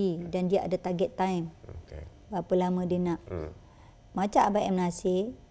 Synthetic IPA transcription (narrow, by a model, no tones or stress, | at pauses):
idandiaʔa̰dat̪aɡɛt̪ːajm | bapəlamə̃dinãʔ | mat͡ʃaʔabaʔɛmnase